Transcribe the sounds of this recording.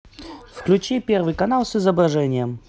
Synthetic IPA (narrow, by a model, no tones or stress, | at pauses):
fklʲʉt͡ɕipʲervɨjkɐnalˠsɨzəbɾɐʐɛnʲɪjəm